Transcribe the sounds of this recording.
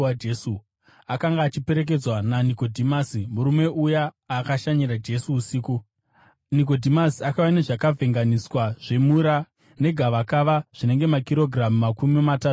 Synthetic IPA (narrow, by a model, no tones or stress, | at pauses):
aesu | akaŋɡaːt͡ʃipe̞ɾe̞k̬e̞d͡zwananiko̞dʱimasimuɾume̞ʔuja | akaʃaɲiɾad͡ʒe̞suːsiːku | nik̬o̞dʱimasiakaʋane̞ʐakavʱe̞ŋɡaniswaʐ̥e̞muɾa | ne̞ɡʱaʋakaʋaʐ̥ine̞ŋɡe̞makiɾo̞ɡʱramumakumimataːtu